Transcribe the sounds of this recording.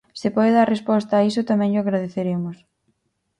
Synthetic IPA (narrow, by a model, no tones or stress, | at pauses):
sɪpɔðeðaɾrespɔst̪aːisʊt̪amɛ̃ŋʎʊaɣɾaðeθeɾemʊs